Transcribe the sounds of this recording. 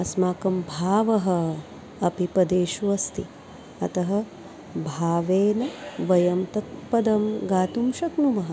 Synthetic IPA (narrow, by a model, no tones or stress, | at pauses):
ɐsmaːkɐmbʱaːʋɐɦɐ̆ | ɐpipɐd̪eːʃuʋɐst̪i | ɐ̰t̪ɐɦɐ̆ | bʱaːʋeːnɐʋɐjɐmt̪ɐt̪̚pɐd̪ɐmɡaːt̪umʃɐknumɐɦɐ